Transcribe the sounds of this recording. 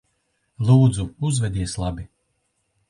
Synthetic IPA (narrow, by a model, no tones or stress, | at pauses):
lˠuːd̪zuuzvɛd̪iɛslˠabʲi